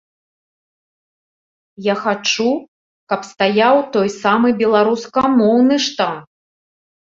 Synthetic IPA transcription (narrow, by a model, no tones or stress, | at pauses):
jaxat͡ʂu | kɐpst̪ajawt̪ɔjsamɨbʲɛlˠaɾuskɐmɔwnɨʂt̪ant